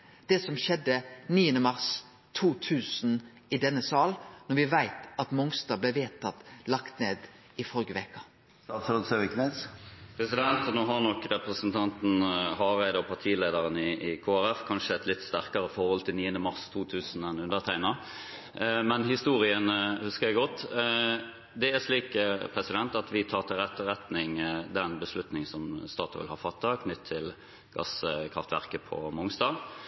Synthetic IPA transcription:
d̪̥ɛsɔmʃɛd̪ːəniːənəmɑʁs | t̪ʰuːt̪ʰʉːsn̩ | ɪd̪ɛnːəsɑːlnɔʋɪʋæɪt̪ɑt̪mɔŋst̪ɑːblæʋeːt̪ʰɑt̪lɑkt̪neːd̪ | ɪfɔlɡəʋɛkɑ | st̪ɑt̪sɾɔsøʋɪknɛspʰɾɛsɪd̪ɛnt̪noːɦɑʁnɔkɾɛpɾəsnt̪ʰɑnt̪n̩hɑːʁæɪd̪əɔpʰɑʁt̪ʰiːleɪd̪ɑʁənɪɪkʰoːæɾɛfkʰɑnʂəɛt̪lɪt̪ːst̪æɾkɑɾəfɔɾhɔlt̪ʰɪlniːənd̪əmɑʁst̪ʰuːt̪ʰʉːsn̩ɛnʉnd̪əʁt̪ʰæɪnɑ | mɛnhɪst̪uːɾɪənhʉskəʁjæɡɔt̪ː | d̪ɛæʂliːkpʰɾɛsɪd̪ɛnt̪ɑt̪ʋɪt̪ʰɑːʁt̪ʰɪlɾɛt̪ːəɾɛt̪nɪŋd̪ɛnbəslʉt̪nɪŋsɔmst̪ɑːt̪ʊʋɪ̰lhɑːfɑt̪ːɑkʰnʏt̪ʰːɪl | ɡ̥ɑ̰skʰʁɑft̪ʋæ̰ʁkəpʰɔ̰mʊŋsd̪ɑːɡ

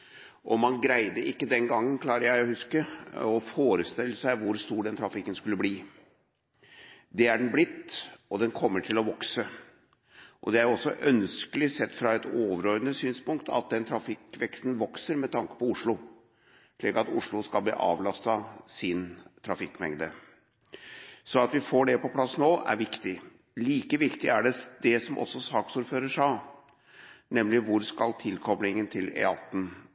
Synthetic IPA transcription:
ʔɔmɑnɡɾæɪd̪əʔɪkːəd̪ɛnɡɑŋːənkʰlɑːɾəjæɪɔhʉskəɔfoːɾəst̪ɪlːəsæɪʋʊɾst̪uːɖɛnt̪ʰɾɑfɪkːənskʉlːəbliː | d̪ɛæɖɛnblɪt̪ːɔd̪ɛnkʰɔmːəʈʰɪlɔʋɔksə | ʔɔd̪ɛæjɔsːɔʔœnskəlɪsɛt̪ːfɾɑɛt̪oːʋəɾɔɾd̪ənəsyːnspʊŋkt̪ʰɑ̰t̪̚d̪ɛnt̪ʰɾɑfɪkːʋɛkst̪n̩ʋɔksəɾmɛt̪ʰɑŋkə̥pɔʊʂɭʊ | ʂɭiːkɑt̪ʊʂɭʊskɑlb̪ḭːʔɑ̰ːʋlɑst̪ɑsɪnt̪ʰɾɑfɪkːmɛŋd̪ə | sɔɑt̪ʋɪfoːɖɛpɔpʰlɑsːnoːʔæ̰ɾʋɪkt̪ɪ | liːkəʋɪkt̪ɪæɖɛd̪ɛsɔmʔɔ̰sːɔsɑːksuːɾføːɾəʂɑ | nɛmːlɪʋʊɾskɑlt̪ʰɪlkʰɔblɪŋənt̪ʰɪlɛ̰ɑt̪ːn̩

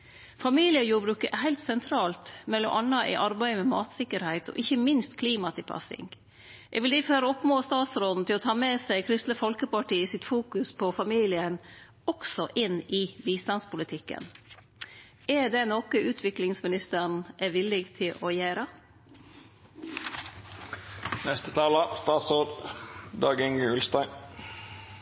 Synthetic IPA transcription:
fɑmiːlɪəjuːɾbɾʉːkəʔɛhæɪlt̪sɛnt̪ʰɾɑːlt̪mɛlɔ̰ʔɑnːɑʔɪ̰ʔɑɾbæɪəmɛmɑːt̪sɪkːəɾhæɪt̪ɔ̰ːʔɪçəmɪnst̪kʰliːmɑt̪ʰɪpʰɑ̰sɪ̰ŋ | ʔɛ̰ɡʋɪld̪iføːɾəɔpmoːst̪ɑːt̪sɾoːd̪n̩t̪ʰɪlɔt̪ʰɑːmɛsæɪkʰɾɪst̪ləfɔlkəpɑʈiːəsɪt̪fuːkʉspʰɔfɑmiːlɪən | ɔksɔʔɪnɪbiːst̪ɑnspʊlɪt̪ʰɪkːə̰n | æd̪ɛnɔkəʉːt̪ʰʋɪklɪŋsmɪnɪst̪əɳ̩ʔɛʋɪlːɪɡt̪ʰɪlɔːjæːɾə | nɛst̪ət̪ʰɑːləst̪ɑːt̪sɾoːd̪d̪ɑːɡɪŋʉlst̪æɪ

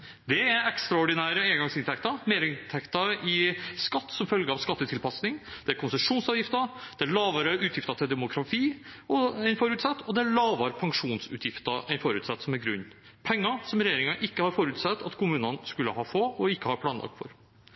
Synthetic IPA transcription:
d̪ɛæɾɛkst̪ɾɑɔɖɪnæːɾəeːɡɑŋsɪnt̪ʰɛkt̪ɑmeːɾəɪnt̪ʰɛkt̪ɑɪskɑt̪ːsɔmfœlɡəɾɑʋskɑt̪ːət̪ʰɪlpɑsnɪŋd̪̥ɛæɾkʰʊnsəʂuːnsɑːʋjɪft̪ɑd̪̥ɛæɭɑːʋɑɾəʔʉːt̪ʰjɪft̪ɑt̪ʰɪld̪ɛmʊkʰɾɑt̪ʰiːɔɛɪnfɔɾʉːt̪sɑt̪ːɔd̪ɛɭlɑːʋɑɾpʰɑŋʂuːnsʉ̰ːt̪ʰjɪft̪ɑʔɛɪnfɔɾʉːt̪sɑt̪ːsɔmæɾɡɾʉnː | pʰɛŋːɑsɔmɾɛjeːɾɪŋɑʔɪkːəhɑɾfɔɾʉːt̪sɛt̪ːɑt̪kʰʊmʉːnənskʉlːəhɑːfoːɔɪkːəhɑɾpʰlɑːnlɑ̰kfɔ̰ɾ

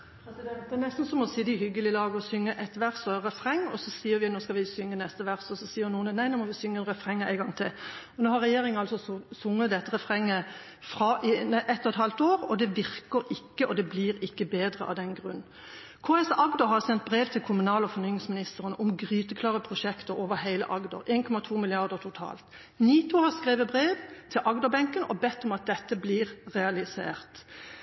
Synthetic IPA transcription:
pʰɾɛsɪd̪ɛnt̪̚d̪ɛnɛst̪n̩sɔmɔsiːd̪ɪhʏɡːəlɪlɑːɡəɔsʏŋːəʔɛt̪ʋæʁsɔɛʁɛfʁɛŋːɔsɔsiːəɾʋɪnoːskɑʋɪsʏŋːənɛst̪əʋæʁsɔsɔsiːənuːnnæɪnoːmɔʋɪsʏŋːəɛnʁɛfʁɛŋːæɪɡɑŋt̪ʰɪlɔnoːhɑɾɛjeːɾɪŋənɑlsɔsʊŋːət̪̚d̪ɛt̪ːəʁɛfʁɛŋːə | fʁɑʔɪnʔɛt̪ːɔɛt̪hɑlt̪oːʁɔd̪ɛʋɪɾkəɾɪkːəʔɔd̪ɛblɪːɾɪkːəbeːd̪ʁə̰ʔɑ̰d̪ɛnɡʁʉnː | kʰoːɛsʔɑɡd̪ɔɦɑʁsɛnt̪bʁeːʋt̪ʰɪlkʰʊmʉnɑːlɔfɔʁnyːnɪŋsmɪnɪst̪əʁənəʔʊmɡʁyːt̪əkʰlɑːʁəpʰʁʊʃɛkt̪əɾoːʋəɾhæɪlə̰ʔɑɡd̪ɔ̰ɾeːnkʰɔmɑt̪ʰuːmɪlɪɑʁd̪əʁt̪ʰʊt̪ʰɑ̰ːlt̪ | niːt̪ʊhɑʁskʁeːʋəbɾeːʋt̪ʰɪlʔɑɡd̪ɔbɛŋkənʔɔ̰bɛt̪ːɔmɑt̪̚d̪ɛt̪ːəblɪːʁʁɛɑlɪsḛːʁt̪

